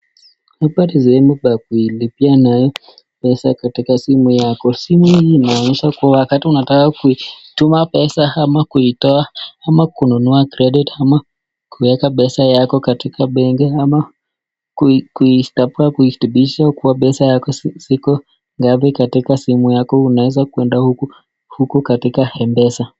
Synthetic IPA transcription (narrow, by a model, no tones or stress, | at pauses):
hapaɾisɛhɛmubak̚uilipianajɔ | pɛsakatikasimujakɔsimuiinaɔɲiʃakuwawakatiunatakakuitumapɛsahamakuitɔaamakununuakɾɛɗitama | kʰuwɛkaɓɛsajakɔkatikaɓɛŋɡɛama | kukuistapuakuitubiʃakuwapɛsajakɔsikɔ | ŋɡapikatikasimujakɔunawɛzakuɛndahuku | hukukatikahɛmbɛsa